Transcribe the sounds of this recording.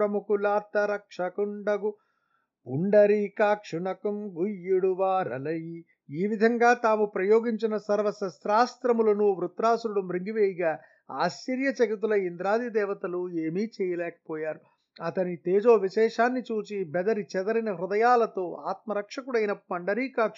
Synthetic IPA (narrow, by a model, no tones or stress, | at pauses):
ɾɐmukulaːɾt̪ɐɾɐkʂɐkuɳɖɐɡu | uɳɖɐɾikaːkʂuɳɐkɐmɡujːuɽuʋaːɾɐ̰lɐji | iːʋid̪ʱɐŋɡaːt̪aːmupɾɐjoːɡiɲt͡ʃinɐsɐɾʋɐsɐsɾaːst̪ɾɐmulɐnuʋɾut̪ɾaːsɾuɽumɾiŋɡiʋeːjiɡaː | a̰ːʃt͡ʃiɾjɐt͡ʃɐɡit̪̬ulɐind̪ɾaːd̪id̪ɛːʋɐt̪ɐlueːmiːt͡ʃɛːjɐlɛːkɐ̥pɔːjaːɾu | ɐt̪ɐnit̪eːd͡ʒo̞ːʋiʃɛːʂaːnːit͡ʃuːt͡ʃibɛd̪ɐɾit͡ʃɛd̪ɐɾɐnɐɦɾud̪ɐjaːlɐt̪o̞ːʔaːt̪̚mɐɾɐkʂɐkuɽɐjinɐpɐɳɖɐɾiːkaːkʂ